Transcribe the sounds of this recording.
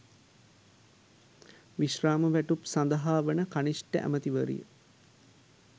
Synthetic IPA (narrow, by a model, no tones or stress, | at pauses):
ʋiʃraːməʋæʈupsand̪əɦaːʋənəkanisʈəʔæ̰mət̪iʋəɾḭjə̰